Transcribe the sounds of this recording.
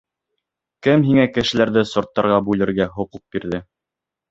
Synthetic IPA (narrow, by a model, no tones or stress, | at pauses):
kɘmɦiŋækɘ̆ʃɘ̆læɾðɘsŏɾt̪ːɑɾʁɑbʉlɘ̆ɾɡæɦŏquq̚b̥iɾðɘ